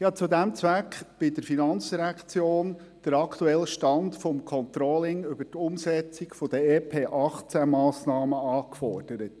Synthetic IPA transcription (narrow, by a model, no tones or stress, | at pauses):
jɑt͡sud̪ɛmt͡sʋækχb̥ɪdəɾfinɑnt͡sd̥iɾækt͡sjoːn | d̥əɾɑkʰt̪uɛlːəʃtɑntfɔmkʰɔnt̪ɾɔlɪŋʏbətʊmsɛt͡sɪkfod̥əeːpʰeːʔɑχt͡sæmɑːsnɑːməɑːkfɔrd̥əɾət